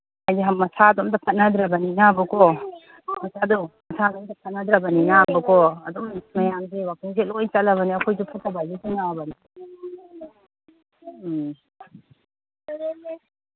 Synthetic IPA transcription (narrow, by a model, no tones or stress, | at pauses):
ajzeɦɐmːɐsaːd̪ɔmd̪ɐpʰɐt̚nad̪ɾabɐninabɐkɔ | mɐsʰadumɐsʰadɔmdɐpʰɐt̚nad̪ɾabɐninabɐkɔɐdɔmmɐjamsewak̚iŋs̬elɔjt͡ʃɐlɐβɐniɐkʰojsupʰɐtːabajbesinabɐni